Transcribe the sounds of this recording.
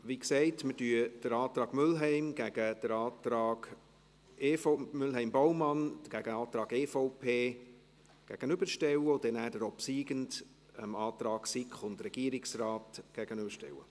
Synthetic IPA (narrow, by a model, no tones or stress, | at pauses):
ʋiksɛɪtmədyːəd̥əɾɑːt̪ɾɑːɡmʏlɦɛɪmɡ̥æɡ̥əd̥əɾɑːt̪ɾɑːɡ̥ | eːfomʏlɦɛɪmbɔʊmɑnɡ̥æɡəɑːt̪ɾɑːɡeːfoʊpʰeː | ɡ̥æɡ̥ənʏbəɾʃtɛwəʊd̥ɛnæːdəɾɔpsiːɡənd | ɛmɑːt̪rɑːɡ̥sɪkχʊndrɛɡ̥iːəɾɪksrɑːtɡ̥æɡ̥ənʏbəɾʃtɛ̰wə̰